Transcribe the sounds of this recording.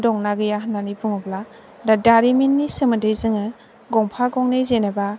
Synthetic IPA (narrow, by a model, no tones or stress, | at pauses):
dɔŋnaɡɯjaɦananipʰuŋɔbla | dadaɾiminːisɯmɯdɯjzɯŋɯ | ɡɔŋpʰaɡɔŋnejzenaba